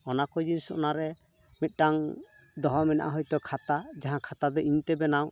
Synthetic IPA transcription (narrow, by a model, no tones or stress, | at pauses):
ɔnakɔjdinisɔɔ̰naɾɛ | mit̪̚ˀʈaŋ | d̪ɔɦɔmɛna̰ʔa̰ɦɔjt̪ɔkʰat̪ad͡ʒaɦãkʰat̪ad̪ɔiɲt̪ɛbɛnaw